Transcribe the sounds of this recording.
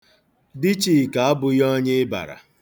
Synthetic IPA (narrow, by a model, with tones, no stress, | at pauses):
di˦t͡ʃi˨ka˨a˦bʊ˨jɔ˦ɲe˦ba̰˨ɾa̰˨